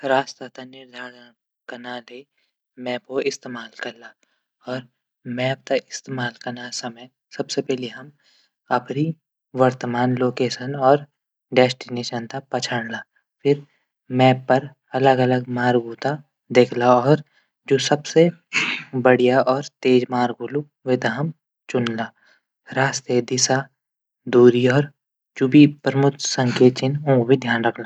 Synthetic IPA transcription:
ɾaːst̪at̪anɪɾd̪ʱaːɽ | kɐnaːle | mɛːpkoʔɪst̪eːmaːlkɐɾlaː | ɔːɾ | mɛ̃ːp̚t̪aʔɪst̪eːmaːlkɐɾnasɐməj | sɐbsepɛɦliɦɐm | ɐpɾi | ʋɐɾt̪əmaːnloːkeːʃənɔːɾ | ɖɛːsʈɪneːʃənt̪apɐt͡ʃʰəɽ̃laː | fʰɪɾ | mɛ̃ːɐɾ | ɐləɡɐləɡ̚maːɾɡuːt̪a | d̪eːkʰlaɔːɾ | d͡ʒoːsɐbse | bɐɽ̤ijaʔɔːɾt̪eːd͡ʒmaːɾɡʱuːlu | ʋɪd̪aːəm | t͡ʃʊnlaː | ɾaːst̪ed̪ɪsa | d̪uːɾiɔːɾ | d͡ʒʊbipɾmʊt̪sə̃ŋkeːtt͡ʃɪnõbʱid̪ʱjaːnɾɐkʰla

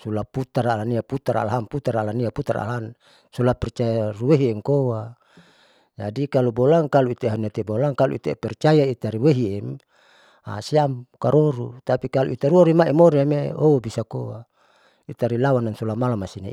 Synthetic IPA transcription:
sulaput̪aɾalaniaput̪aɾa̰laɦamput̪aɾalaniaput̪aɾa̰laɦan | sulapɛrt͡ʃajaɾuweɦiɛŋkowa | d͡ʒa̰dikalubolaŋkaluit̪eɦaniat̪ebolaŋkalṵḭt̪epɛrt͡ʃajait̪aɾiweɦiɛm | a̰siamkaɾoɾut̪apikalṵʔit̪aɾuoɾimaimoɾiameobisakowa̰ | it̪aɾilawanansulamalamasina̰

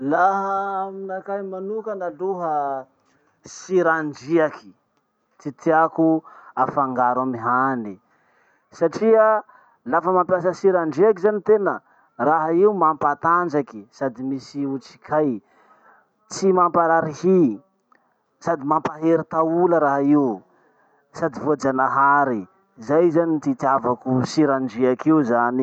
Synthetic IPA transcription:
laɦəminakajmanukanaluɦə | siɾaɳd͡ʒiaki̥ | t͡sit̪iakuafaŋɡaɾamiɦani | saʈ͡ʂiə | lafəmampjasəsiɾaɳɖ͡ʐiakizanit̪enə | raɦaiumampat̪and͡ʒakisad̪imisiut͡si̥kʰaj | t͡simampaɾaɾihi | sad̪imampaɦeɾit̪auləɾaɦaiw | sad̪ivoad͡zanaɦaɾi | zajzanit̪it̪avakusiɾaɳɖ͡ʐiakiuzani

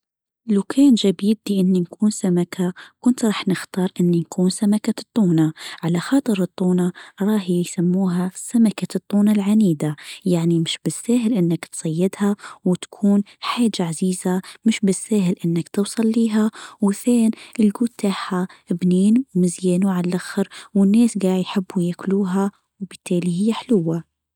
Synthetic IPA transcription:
lawkʰaːnʒabɪd̪liʔɪnːinkʰuːnsamakʰakʊnt̪ɾˤɑːħnɪxt̪ɑːɾˤʔɪnːinkʰuːnsamakat̪ˤːuːnaʕalaxɑːt̪ˤɨɾɨt̪ˤːuːnaɾˤɑːhjsamːuːɦasamakat̪ˤːuːnalʕaniːd̪ajaʕnimɪʃbɪsːaːɦɪlʔɪnːɪkt̪sˤɑjːɪd̪hawɪt̪ḁkʰuːn | ħaːd͡ʒaʕaziːzamɪʃbɪsːaːɦɪlʔɪnːakt̪ɨwsˤɑlːiːɦawɪθeːnʔɪlɡuːt̪t̪ːaːħabniːnmɪzjeːnuʕallʔaxɪɾwɪnːeːsɡaːʕjħɪbːujakluːɦa | wbɪt̪ːeːlihɪjːaħlʊwːa

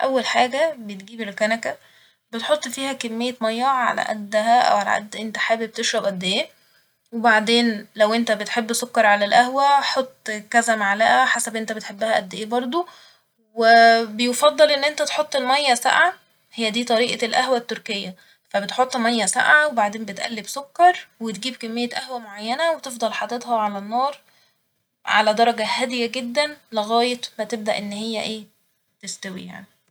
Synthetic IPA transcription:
ʔæ̰wːælħaːɡæbet̪ɡiːbelkænækæ | bet̪ħot̪ˤːfiːhækemːejːemɑjːɑʕʕa̰læ̰ʔæ̰d̪ːhæʔæ̰wʕalæ̰ʔæ̰d̪ːʔent̪æħaːbeb̚t̪eʃɾˤɑbʔæd̪ːeʔeː | webaʕd̪eːnlæwʔent̪æbet̪ħebːsokːɑɾˤʕalælʔæhwæħot̪ˤːkæzæmaʕalæːʔæħasæbʔent̪æbet̪ħebːæhæʔæd̪ːeʔeːbɑɾˤd̪ˤo | webejefɑd̪ˤːɑlʔenːʔent̪æt̪ħot̪ˤːelmæjːæsa̰ʕa | hejːæd̪iːt̪ˤɑɾiːʔɑlʔæhwæt̪ːoɾkejːæ | fæbet̪ħot̪ˤːmæjːæsa̰ʕawebaʕd̪eːmbet̪ʔæ̰lːibsokːɑɾˤwet̪ɡiːbkæmːejːæʔæhwæmoʕajːænæwet̪efd̪ˤɑlħad̪et̪hɑʕalænːɑːɾˤ | ʕa̰læd̪ɑɾˤɑɡæhæd̪ejæɡed̪ːænleɣæːjet̪mæt̪eb̚d̪æʔenːhejːæʔeː | t̪est̪æwḭja̰ʕni

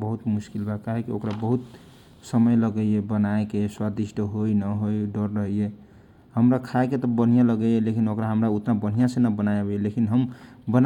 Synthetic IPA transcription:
bəɦut̪muskilbʱakaɦekiokɾabəɦut̪ | səməjləɡəjebənaekeswad̪isʈʰəɦojnəɦojɖəɾɾəɦije | həmɾakʰaeket̪ɔbən̤ijãləɡəelekinokɾaɦəmɾaut̪nabən̤ijãsenəbənajebeelekinɦəmbən

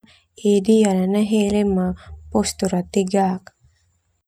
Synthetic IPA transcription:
eːd̪ijɐlɐnɐɦeːlemːapost̪uɾɐt̪ːiɡaːɐk

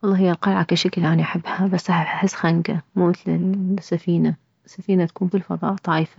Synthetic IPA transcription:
wɑlˤːɑːɦɪjːalqɑlʕakaʃaklʔaniʔaħabːhabasːʔaħaħɪsːxaŋɡamuːmɪt̪lɪsːafiːna | ɪsːafiːnat̪ḁkuːnbilfɑðˤɑ̰ːʔd̪ˤɑʕjfḁ

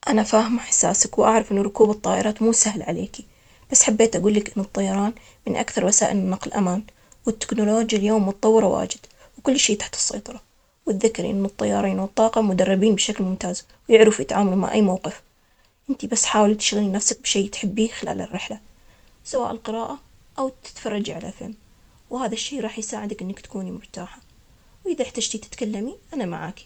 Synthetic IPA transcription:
ʔanafaːhɪmaħḁsːaːsakwʔaʕɾˤɑfʔɪnːʊɾˤʊkuːbɨt̪ˤːɑːʔɪɾˤɑːt̪muːsahlʕalḛːki | b̥asːħabːeːt̪ʔaɡuːlːɪkʔɪnːɨt̪ˤːɑjɑɾˤɑːn | mɪnʔa̰kθɑɾˤwasaːʔɪlɪnːɑqlʔa̰maːn | wɪt̪ːɪ̥knʊloːd͡ʒjaljoːmːʊt̪ɑt̪ˤɑwːɨɾˤwa̰ːd͡ʒɪd̪̥ | wkʊlːʃeːt̪ḁħt̪ɨ̥sˤːɑ̰jt̪ˤɑɾˤɑ | wɪt̪ðɪkːɪɾʔɪ̰nːɨt̪ˤːɑjːɑ̰ːɾˤiːnwɨt̪ˤːɑːqɑmʊd̪ɑrˤːɑbiːnbʃaklmʊmt̪aːz | wjɪʕɾɪfjɪt̪ʕaːmaluma̰ʕʔa̰jːmawqɪf | ʔɪnt̪ibasːħaːwalt̪ɪ̥ʃɣalinafsak̚bʃeːt̪ħɪbːixɪla̰ːlɪ̰rːɪħla | sawa̰ːʔɪlqɨɾɑːʔa | ʔawt̪ɪ̥t̪fɑrˤːɑd͡ʒiʕala̰fɪ̰lm | whaːðaʃːeːɾˤɑːħjsaːʕɪd̪akʔɪnːakt̪ḁkuːnimʊɾt̪aːħa | wʔɪðaħt̪ad͡ʒt̪it̪ɪ̥t̪kalːamiʔanama̰ʕa̰ːki̥

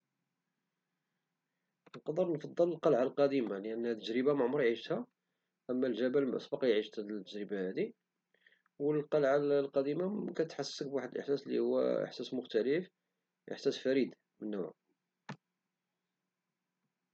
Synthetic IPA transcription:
nqɑd̪ˤəɾnfɑd̪ˤːələlqɑlʕalqɑd̪imaləʔənːhæt̪ːəʒɾəbamaʕmɾˤʕiʒət̪hæ | ʔəmːælʒæbælmʔɑ̰sˤbɑqɑjʕiʒt̪hæt̪ːəʒɾəbahæd̪i | wəlqɑlʕalqɑd̪imakæt̪ħasːək̚bwaħəd̪əlʔəħsæslːḭhuwːæ̰ə̰ħsæsmʊxt̪æləf | ʔə̰ħsæsfæɾid̪ | mənːʊʕ

